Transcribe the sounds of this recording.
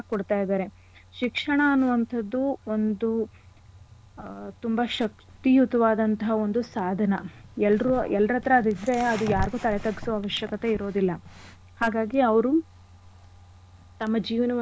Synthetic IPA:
kɔɽt̪aːjid̪aːɾe̞ | ʃikʂɐɳɐːnːuʋɐnt̪ʰɐd̪ːuo̞nd̪u | t̪umbɐʃɐk̚ | t̪ijut̪ɐʋaːd̪ɐnt̪ɐɦɐo̞nd̪usaːd̪ʱɐnɐɛlɾuɛlːɐɾɐt̪ɾɐːd̪id̪ɾe̞ɐd̪ujaːɾiɡuːt̪ɐlɛt̪ɐɡisuʋɐaːʋɐʃjɐkɐt̪e̞iɾo̞ːd̪ilːɐ | haːɡaːɡiɐʋɐɾu | t̪ɐmːɐd͡ʒiːʋɐnɐ

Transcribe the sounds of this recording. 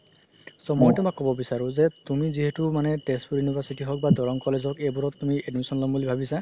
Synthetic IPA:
sɔmɔjtɛmakːɔbɔbisaɹuzet̪umiziɦetumanɛʈespuɾjunibʱasitiɦɔk̚badɔɹɔŋkɔlezɔkejbuɾɔtːumiedusɔnlɔmbulibʱabisa

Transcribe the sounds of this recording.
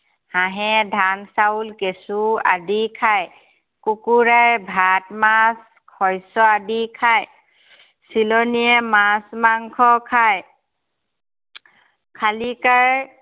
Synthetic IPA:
hãɦɛdʱansaulkesua̰dikʰaj | kukuɹaɹbʱatmas | kʰɔjsɔadikʰaj | silɔniɛmasmaŋkʰɔkʰaj | kʰalikaɹ

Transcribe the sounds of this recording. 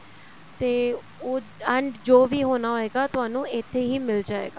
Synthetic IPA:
t̪eː | oː | əɳɖd͡ʒoːʋiːɦoːnaːɦoːeːɡaːt̪ʊɦaːnũːɪt̪ʰːeːɦiːmɪld͡ʒaːḛːɡaː

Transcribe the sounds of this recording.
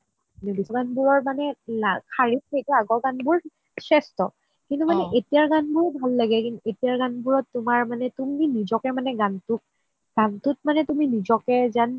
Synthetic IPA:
nibisɔɡanbuɹɔɹmanɛlakʰaɹip̚ejtɛaɡɔɡanbuɹ | sɛstɔ | kintumanɛʔetijaɹɡanbʊɹbʱalːaɡɛkinetijaɹɡanbuɹɔtːumaɹmanɛtuminizɔkɛmanɛɡantʊk̚ | ɡ̥antʊt̚manɛtuminizɔkɛzan

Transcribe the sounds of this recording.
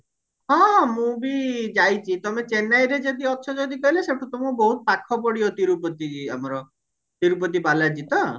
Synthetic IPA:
ɦɔ̃mũbid͡ʒajt͡ʃʰit̪ɔmet͡ʃenajɾed͡ʒod̪iɔt̪ʰɔd͡ʒod̪ikɔɦileseʈʰut̪ɔmũbɔɦut̪̚pakʰːɔp̬ɔɽiot̪iɾupɔt̪id͡ʒia̰mɔɾɔ | t̪iɾup̬ɔt̪̬ibalad͡ʒit̪ɔ

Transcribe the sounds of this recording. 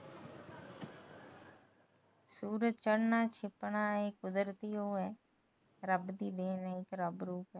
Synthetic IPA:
suːɾət͡ʃəɽnaːt͡ʃʰɪpɳaːekʊd̪əɾt̪iːoːɛː | ɾəbd̪iːd̪eːnɛːɪkɾəbɾuːpɛː

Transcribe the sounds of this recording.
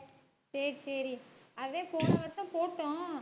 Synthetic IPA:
sɐɾisɐɾiɐʋẽːpoːnɐʋɐɾt̪ãːpoːʈːõ

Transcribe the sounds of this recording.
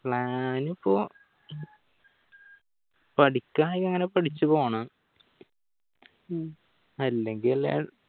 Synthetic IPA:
pɭaːnipːoː | pɐʈikʲːaːikːɐŋːɐne̞pɐʈit͡ɕːupoːaɳɐ | ɐlːe̞ŋɡillḛ

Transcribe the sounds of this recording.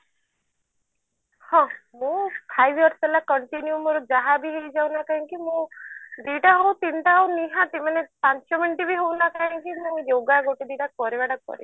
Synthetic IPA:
hɔ̃mũpʰajbʱjɔɾsbelakɔɳʈinjumoɾud͡ʒaɦabiɦejd͡ʒawnakaɦãŋkimũɖeʈaɦɔwt̪iɳʈawniɦãt̪emanepaɲt͡ʃɔminʈibiɦownakaɦãŋkimũjoɡaɡoʈid̪iʈak̚pɔɾebaɽak̚pɔ̰ɾḭ

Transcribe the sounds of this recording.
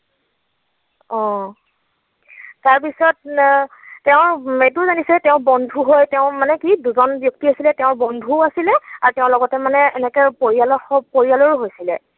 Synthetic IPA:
ɔ̃ | taɹpisɔtː | ɛʊ̃ɹet̬ʊzanisɛɛtɛʊ̃bɔndʱuɦojtɛʊ̃manɛkiduzɔnbjɔk̚tiasilɛtɛʊ̃ɹbɔndʱuasilɛaɹutɛʊ̃lɔɡɔtɛmanɛɛnɛkɛpoɹialɔxɔpoɹialɔɹuɦojsilɛ

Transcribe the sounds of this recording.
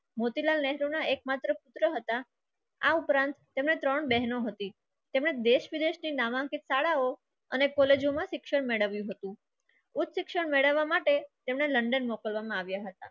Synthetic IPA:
mot̪ilalnɛɦɾonaekmat̪ɾəpʊt̪ɾəɦət̪a | a̰upɾãnt̪ːemnet̪ɾəɳbɛɦnoɦət̪i | t̪emɳed̪eʃʋid̪eʃninaʋãŋkit̪saɭao | ənekɔled͡ʒomãʃɪkʃəɽmeɭəʋjũɦət̪ũ | ut̪ʃɪkʃəɳmeɭəʋːamaʈet̪emneləɳɖənmɔkəlʋamãaʋjaɦət̪a̰

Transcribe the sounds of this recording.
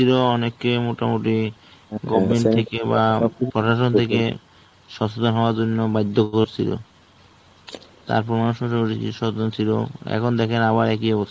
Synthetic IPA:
iloɔnekːemoʈamoʈiɡɔbmeɳʈ̚t̪ʰekebapɾɔʃaʃ̬ont̪ʰekḛ | ʃɔt͡ɕod̪onɦɔoaɾd͡ʑonːobajd̪ʱːokoɾt͡ɕʰilo̰ | t̪a̰ɾpoɾanʃɔʃooiiʃɔod̪ont͡ɕʰilo̰ɛ̰kʰond̪ɛkʰenaβaɾɛkiebot͡ɕʰ

